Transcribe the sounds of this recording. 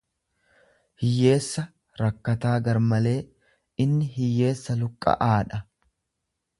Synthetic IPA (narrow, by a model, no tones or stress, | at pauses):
hɪjːe̞ːsːɐ | ɾɐkːɐt̪aːɡɐɾmɐle̞ː | ɪnːɪɦɪjːe̞ːsːɐlʊkʼːɐ̰ʔaːᶑɐ